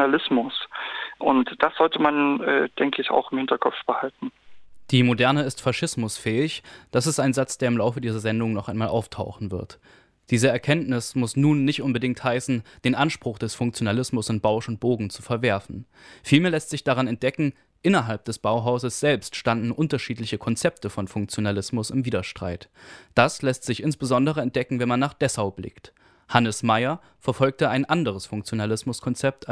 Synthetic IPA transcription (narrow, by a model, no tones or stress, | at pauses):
alɪsmʊsʔʊntd̥asz̥ɔltəmanɛ̰ːd̥ɛŋkəɪça̰ʊxɪmhɪntɐkʰɔpfb̥əhaltn̩d̥iːmodɛɐnəɪstfaʃɪsmʊsfɛːɪçd̥asɪstaɪnzat͡sd̥eːɐɪmlaʊfədiːzɐzɛndʊŋnɔχʔaɪnmaːlʔaʊftʰaʊxn̩vɪɐt | d̥iːzəɛɐkʰɛntnɪsmʊsnuːnːɪçtʔʊnbədɪŋk̚thaɪsn̩d̥eːnʔanʃpʁ̥ʊχd̥ɛsfʊŋk̚t͡sjonalɪsmʊsanb̥aʊsʊnt̚b̥oːɡŋ̩t͡sufɛɐvɛɐfn̩ | fiːlmeːɐlɛstz̥ɪçd̥aʁ̞anɛnt̚d̥ɛkŋ̩ | ʔɪnɐɦalp̚d̥ɛsb̥aʊɦaʊzəsz̥ɛlpstʃtandn̩ʔʊntɐʃiːtlɪçəkʰɔnt͡sɛp̚təfɔnfʊŋk̚t͡sjonalɪsmʊsɪmviːdɐʃtʁ̥a̰ɪtd̥aslɛstz̥ɪçɪnsb̥əzɔndəʁ̞əɛnt̚d̥ɛkŋ̩vɛnmanːaːχd̥ɛsaʊblɪ̰kt | hanəsmaɪɐ | fɛɐfɔlk̚təaɪnʔandəʁ̞əsfʊŋkt͡sjonalɪsmʊskʰɔnt͡sɛp̚tʰ